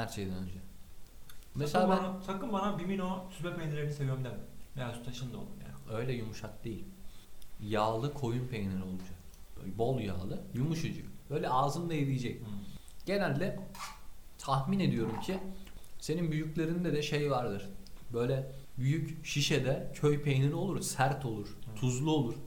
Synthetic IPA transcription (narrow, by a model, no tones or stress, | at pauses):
hæɾt͡ʃʰe̞jd̪ɛnø̰nd͡ʒɛ | meselʲabænat̪ʰakɯmbanabiminosʰypɛpʰejneɾeɾinise̞vijøɾmd̪ɛmɛeasu̥t̪ʰaʃɯnd̪o̰lˠumja̰ːnø̞jlʲɛjumuʃak̚d̪e̞jilʲ | jaːlˠɯkʰo̞junpʰejneɾo̞lˠud͡ʒak | bo̞lˠja̰ːlˠɯjumuʃɯd͡ʒɯkbø̞jlʲɛaːzɯnd̪aelʲijed͡ʒɛc̚ɟ̥e̞nælʲːɛ | t̪ʰaxmine̞d̪ijo̞ɾumcʰise̞ninbyjyclʲe̞ɾind̪ɛd̪ɛʃejvaɾd̪ɯɾ̥bø̞jlʲɛbyjycʃiʃɛd̪ɛcʰøjpʰejniɾio̞lˠuɾsæɾt̪ʰo̞lˠuɾ̥ʰuzlˠuolˠuɾ̥